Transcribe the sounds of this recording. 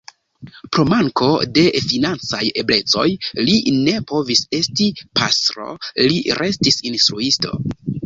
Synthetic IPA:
pɾo̞maŋko̞de̞finant͡saje̞ble̞t͡so̞̰jline̞po̞vise̞stipa̰sɾo̞̰liɾʔe̞stisinstɾuisto̞̰

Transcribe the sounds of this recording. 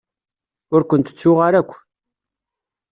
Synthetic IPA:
ʊɾkʷənt̪ə̥t͡sːʊʁaɾækʷː

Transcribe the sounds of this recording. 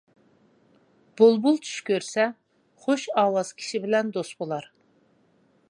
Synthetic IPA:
b̥olˠbulˠt͡ʃʰy̥ʃkʲøɾsɛ | χoʃɑːwɑz̥kʲʰi̥ʃibɪlɛnd̪ost̪bolˠɑɾ

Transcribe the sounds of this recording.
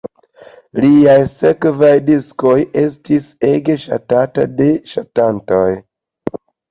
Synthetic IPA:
liajse̞kvajdisko̞je̞s̬tise̞ɡe̞ʃa̰tata̰de̞ʃatanto̞j

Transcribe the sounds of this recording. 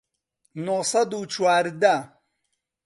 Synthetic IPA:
nosɐd̪uːt͡ʃwaːɾd̪a

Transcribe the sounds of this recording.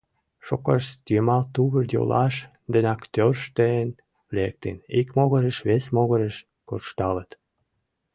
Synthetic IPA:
ʃokɑʃt̪jemɑlt̪uβərjo̰lɑʃ | d̪ənʲɑkt̪ørʃt̪een | lek̚t̪ḛnikmoɣəɾəʃβesmoɣəɾəʃ | korʃt̪ɑlət̪

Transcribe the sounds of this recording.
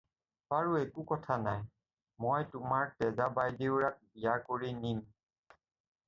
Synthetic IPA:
baɹuɛkukɔtʰanaj | mojtʊmaɹtɛzabajdewɹak̚bijaɹkoɹinim

